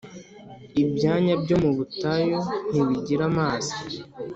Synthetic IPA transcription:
ibjaːɲabɟo̞muβutajo̞n̥iβiɟiɾamaːzi̥

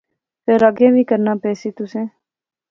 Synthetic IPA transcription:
pʰeɾəɡẽːʋʱiːkəɾnaːpɛːsiːt̪ʊsẽː

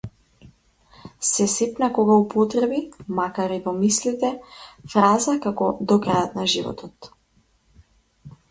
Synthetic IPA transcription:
sɛsɛpnakɔɡaupɔt̪ɾɛbimakaɾivɔmislit̪ɛfɾazakakɔd̪ɔkɾajɔt̪naʒivɔ̰t̪ʰɔt̪

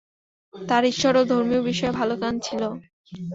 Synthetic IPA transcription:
t̪aɾiʃːɔɾod̪ʱoɾmiobiʃɔebʱalokant͡ɕʰilo

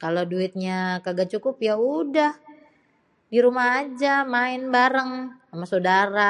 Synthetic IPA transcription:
kaloduɪt̪̚ɲakaɡat͡ʃukʊpjaudah | diɾumaɦad͡ʒamaɪnbaɾəŋamasodaɾa

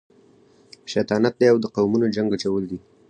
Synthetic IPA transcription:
ʃat̪ɑnat̪̚d̪ejawd̪əqawmunod͡ʒaŋɡat͡ʃawəld̪i

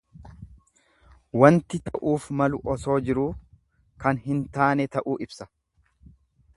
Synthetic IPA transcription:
wɐnt̪ɪt̪ɐʔuːfmɐlʊʔɔso̞ːd͡ʒɪɾuː | kɐnɦɪnt̪aːnɛt̪ɐʔuːʔɪbsɐ

